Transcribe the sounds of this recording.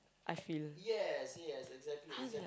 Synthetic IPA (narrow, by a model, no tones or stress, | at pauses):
ʔaɪfiljɛsjɛsɪɡzæk̚tʰˡli